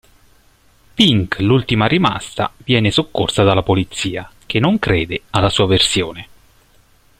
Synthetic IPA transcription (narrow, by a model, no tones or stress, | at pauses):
piŋklult̪imaɾima̰st̪a̰vjɛːnesokːo̰rsad̪alːapolit̪sːiːak̟enːoŋkɾeːd̪ealːasuːaversjoːne